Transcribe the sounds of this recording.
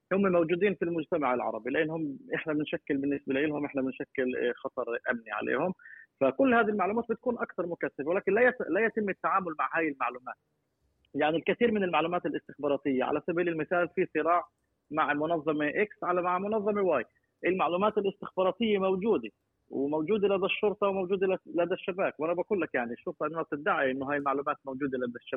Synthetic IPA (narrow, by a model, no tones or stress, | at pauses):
hʊmːmawd͡ʒuːd̪iːnfilmʊd͡ʒt̪amaʕɪlʕɑ̰ɾˤɑbilɪʔɪnːhʊmːʔɪħnabɪnʃakːɪlbɪnːɪsbɪlaʔɪlhʊmʔɪħnabɪnʃakːɪlxɑt̪ˤɑɾˤʔamniʕa̰lḛːhʊmfakʊlːhaːðilmaʕluːmaːt̪bɪt̪̚kuːnʔakt̪ɑɾˤmʊkaθːabwɪlaːkɪnlajalajat̪ɪmːɪt̪ːaʕaːmʊlmaʕhaːjɪlmaʕluːmaːt̪̚ | jaʕnilkaθiːɾmɪnɪlmaʕluːmaːt̪ɪlʔɪst̪ɪxbɑːɾˤɑːt̪ɪjːaʕa̰lasabalɪlmɪθaːlfisˤɨɾɑːʕ | maʕmʊnɑðˤːɑmeʔɪksʕalamaʕmʊnɑðˤːɑmewaːj | ʔɪlmaʕluːmaːt̪ɪlʔɪst̪ɪxbɑːɾˤɑːt̪ɪjːemawd͡ʒuːd̪e | wmowd͡ʒuːd̪elad̪aʃːʊɾt̪ˤɑwmawd͡ʒuːd̪ɪllad̪aʃːabaːkwʔanabakuːlːakjaʕniʃːʊɾt̪ˤɑʔɪnːanab̚t̪ɪd̪ːaʕiʔɪnːʊɦaːjɪlmaʕluːmaːt̪̚mawd͡ʒuːd̪elad̪aʃːaa